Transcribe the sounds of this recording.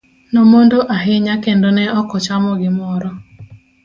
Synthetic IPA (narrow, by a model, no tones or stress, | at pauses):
nomondoʔaɦɪɲakendonɛɔkɔt͡ʃamɔɡɪmɔɾɔ